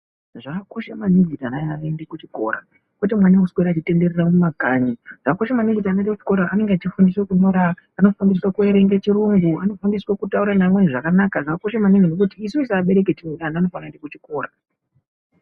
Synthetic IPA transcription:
ʐako̞ʃamanivʱitanajaendekut͡ʃiko̞̰ɾa̰ | kwet̬imwanauskeɾat͡ʃite̞nde̞reramumakaɲiʐ̥ako̞ʃamaniɡʱitanondekut͡ʃi̥ko̞ɾaʔːne̞ŋɡeat͡ʃifundiswekuɲoɾaː | no̞fandiswakueɾe̞ŋɡet͡ʃiɾuŋɡuano̞fandiswakutauɾanamweniʐakanakaʐaːko̞ʃamaniŋɡenok̬utiːsuisaːɓe̞ɾe̞k̬etinoɗanaano̞fanaendekut͡ʃiko̞ːɾa

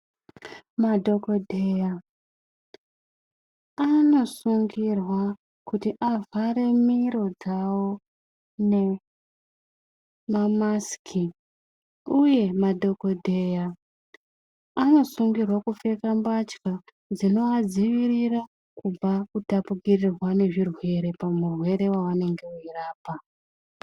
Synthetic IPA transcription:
madʱo̞kodʱeja | ano̞suŋɡirwa | kutiʔavaɾe̞miɾo̞d͡zawo̞ | ne̞ | mamaskʰi | uje̞madʱo̞ko̞dʱe̞ja | ano̞suŋɡirwakufe̞kambat͡ʃka | d͡zino̞ad͡ziʋirira | kub͡vakutapuɡirirwane̞ʐirwe̞ɾe̞pamurwe̞ɾe̞waʋane̞ŋɡe̞uiraːpa

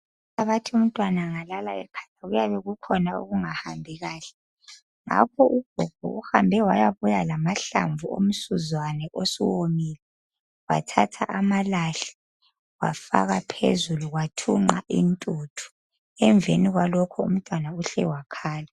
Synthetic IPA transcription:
aβatʰium̩tʼwanaŋalalaɛkʰḁtaɣujaβɛɣukʰɔnao̰ɣuŋahambʱiɣaːɬɛ̥ | ŋa̰kʰɔuɡ̥ʱɔɡ̥ʱɔ̰uhambʱɛwajaβujalamaɬa̰ɱvuo̰m̩suzwanɛʔosiwomiːlɛ | wa̰tʰa̰tʰaʔamalaɬɛ̥ | wa̰fa̰ɣapʰḛzuluɣwatʰṵŋ͡ǃaʔḭntʼuːtʰu̥ | ɛɱbvʱeniɣwalɔkʰɔṵm̩tʼwanauɬɛ̰wakʰaːla

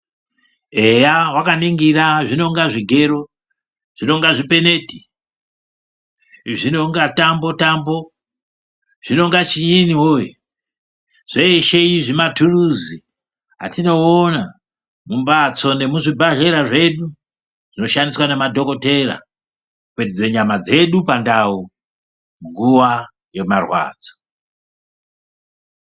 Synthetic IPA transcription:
ejawakaniŋɡiraʐino̞ŋɡaʐiɡʱe̞ɾo | ʐ̥ino̞ŋɡaʐipe̞ne̞ti̥ | ʐino̞ŋɡatambo̞tambo̞ | ʐ̥ino̞ŋɡat͡ʃiɲiniwojo | ʐ̥eeʃeiʐimatʰuruzi | ɦa̰tino̞ːna | mumbat͡so̞ne̞muʐibʱaʒe̞ɾaʐe̞ɗu | ʐ̥ino̞ʃandiswanemadʱo̞ko̞te̞ra̰ | kwetid͡ze̞ɲamad͡ze̞ɗupandau | muŋɡuʋa | je̞marwa̰ːd͡zo̥

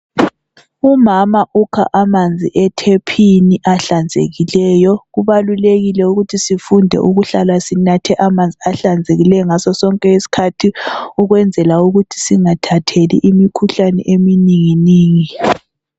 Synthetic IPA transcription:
umamaʔukʰa̰ʔamand͡zʱḭʔɛtʰepʰiniʔaɬand͡zʱḛɣilɛːjɔɣuβaluleɣilɛuɣutʰisifundʱɛ̰ʔuɣuɬalasinatʰɛʔamand͡zʱiaɬand͡zʱeɣilɛjɔŋasɔsɔŋkʼɛisi̥kʰatʰiuɣwɛnd͡zʱɛlauɣutʰi̥siŋatʰatʰelḭʔimikʰuɬanɛ̰ʔeminiŋiniːŋi

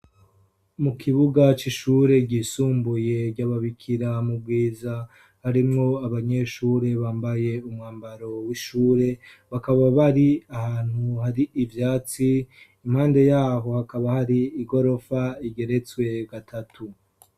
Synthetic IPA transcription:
mukʰiβuɡat͡ʃiʃuːɾe̞ɟisuːmbuje̞ɟaβaβikʰiɾamub̚ɡiːza | haɾimŋo̞aβaɲe̞ʃuːɾe̞βaːmbaje̞umŋaːmbaɾo̞wiʃuːɾe̞ | βakaβaβaɾiahaːn̥huhaɾiːvjaːt͡si | im̥haːnde̞jaːɦo̞hakaβahaɾiːɡo̞ɾo̞faiɡe̞ɾe̞t͡swe̞ɡatʰatʰu

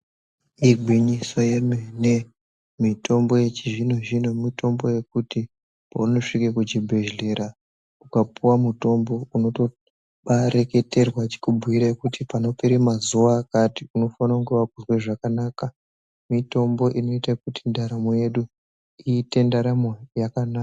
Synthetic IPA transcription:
iɡʱwiɲisoje̞mene̞ | mito̞mbo̞je̞t͡ʃiʐino̞ʒino̞mito̞mboje̞kuti | pa̰uno̞ʂikekud͡ʒibʱe̞ʒɮe̞ɾa | ukapuwamuto̞mbo̞uno̞to̞ | ɓaɾe̞ke̞te̞rwat͡ʃe̥kubʱuiɾaekutipano̞peɾemazuʋaːkatiuno̞fanauŋɡeʋakuzwe̞ʐakanaːka | mito̞mbo̞ʔino̞itakutindaɾamoje̞ɗu | iːte̞ndaɾamojakanaa

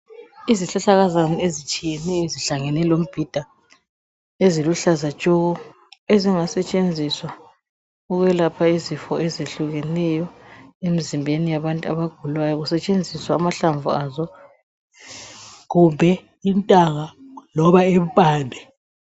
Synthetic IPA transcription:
iziɬaɬaɣazaniezit͡ʃʼijɛnɛjɔiziɬaŋɛnɛlom̩b̥ʱid̥ʱa | eziluɬazḁt͡ʃʼɔɣɔ | eziŋasɛt͡ʃʼend͡zʱiswa | uɣwɛlapʰaizifɔʔɛzeɬuɣɛnɛjɔemizimbʱenijaβantʼua̰βaɡ̥ʱulwajɔɣusɛt͡ʃʼend͡zʱiswaːmaɬaɱvuazɔ | ɣumbʱɛ | intʼaɣalɔβaeβ̩pʼaːndʱɛ

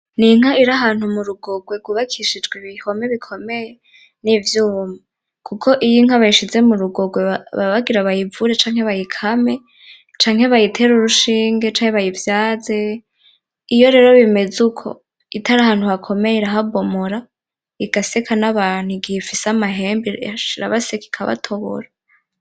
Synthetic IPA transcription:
niŋ̥aiɾaɦaːn̥humuɾuɡo̞ɡweɡuβakʰiʃid͡ʒɡweβiho̞meβikʰo̞meje | nivjuːma | kʰukʰo̞ʔijiŋ̥aβajiʃize̞muɾuɡo̞ɡweaβaβaɡiɾaβajivuɾet͡ʃaːŋ̥he̞βajikʰame̞ | t͡ʃaːŋheβajitʰe̞ɾuɾuʃiːŋɡet͡ʃaːŋheβajivjaːze̞ | ijo̞ɾe̞ːɾo̞βime̞zukʰo̞̰ | itʰaɾahaːn̥huhakʰo̞mejeɾaɦabo̞moɾa | iɡ̥asekʰanaβaːn̥huiɡihefisamaɦe̞ːmbiʃiɾa̰βaseki̥kʰaβa̰tʰo̞βo̰ɾa

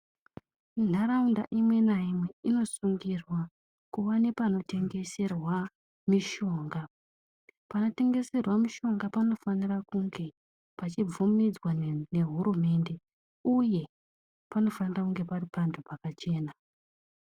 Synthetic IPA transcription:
n̤aɾaunda̰ʔimwe̞naimwe̞ino̞suŋɡirwa | kuwane̞pano̞te̞ŋɡe̞se̞rwa | miʃo̞ːŋɡa | pano̞te̞ŋɡe̞se̞rwamiʃo̞ŋɡapano̞fanirakuŋɡe̞ | pat͡ʃib͡vumid͡zwane̞ɦuɾume̞ːnde̞ | uje̞ | pano̞fanirakuŋɡe̞paripantʰupakat͡ʃe̞ːna

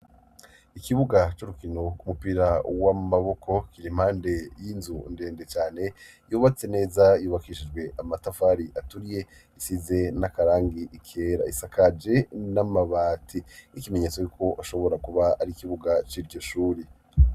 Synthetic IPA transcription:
ikiβuɡat͡ʃoɾukino̞kumupiɾawamaβo̞kʰo̞kiɾim̥haːnde̞jinzunde̞ːnde̞t͡ʃaːne̞ | juːβat͡se̞ne̞ːzajuːβakiʃid͡ʒɡwe̞ʔamatafaɾiʔatuɾije̞ | isize̞nakaɾaːŋɡiʔikʰeːɾa̰isakʰad͡ʒe̞namaβaːtʰinikime̞ɲet͡sojuːkʰo̞ʔaʃo̞βo̞ɾakuβaaɾikiβuɡat͡ʃiɾɟo̞ʃuːɾi

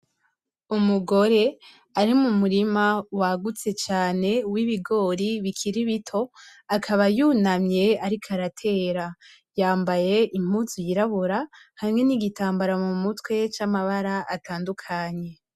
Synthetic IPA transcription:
umuɡo̞ɾe̞ | aɾimumuɾimawaɡut͡se̞t͡ʃaːne̞wiβiɡo̞ːɾiβikʰiɾiβitʰo̞akʰaβajuːnamje̞aɾikʰaɾatʰe̞ːɾa | jaːmbaje̞ʔim̥uzujiɾaβuɾahamŋe̞niɡitaːmbaɾamumutwe̞t͡ʃamaβaɾaʔataːndukʰaɲe̞

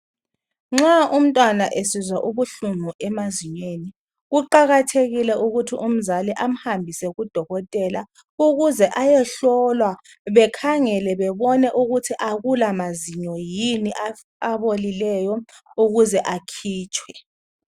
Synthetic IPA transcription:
ŋ͡ǁaʔum̩tʼwanaʔesizwaʔuβuɬumuʔɛmaziɲweni | ɣuǃaɣatʰeɣilɛʔuɣutʰiʔum̩zaliʔam̩hambʱisɛɣud̥ʱɔɣɔtʼɛla | uɣuzɛʔajɛɬɔlwa | βɛkʰaŋɛlɛβɛβɔnɛʔuɣutʰiʔaɣulamaziɲɔjiniʔa | aβolilɛjɔ | uɣuzɛʔakʰiːt͡ʃʰʼwɛ

